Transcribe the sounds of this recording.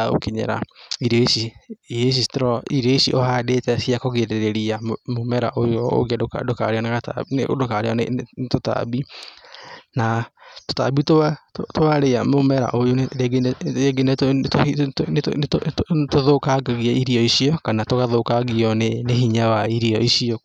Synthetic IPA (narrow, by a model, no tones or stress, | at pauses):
o̰keɲɛ̰ɾa̰iɾeisies̬istɾɔiɾeisiʔohadetɛsiakɔɣeɾeɾeɾiamomɛɾa̰ʔojɔo̰ɣeakadoka̰ɾeɔnaɣatano̰dokaɾeɔtota̰bi | nato̥ta̰bitoattoaɾeamomɛɾa̰ʔojoeɡeeɡenettointnttoðokaɣaɣiaiɾiɔisiɔkanatoɣaðokaɣiɔneneɦiɲawaiɾiɔisiɔ